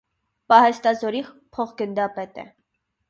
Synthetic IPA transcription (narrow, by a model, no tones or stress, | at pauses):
pɑhɛst̪ɑzɔɾiχ | pʰɔχɡənd̪ɑpɛt̪ɛ̰